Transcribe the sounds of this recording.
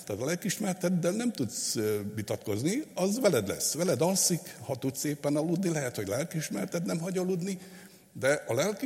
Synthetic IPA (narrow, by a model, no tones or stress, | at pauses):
t̪at̪lɛlkiʃmɛrt̪ɛd̪ːɛlnɛmt̪ut̪sʋit̪ɒt̪ko̞zniɒzʋɛlɛd̪lɛ̰sːʋɛlɛd̪ɒlsikhɒt̪ut̪seːpːɛnɒlud̪nilɛɦɛt̪ho̞ɟlɛlkiʃmɛrt̪ɛt̪nɛmɦɒɟɒlud̪ni | d̪ɛʔɒlɛlki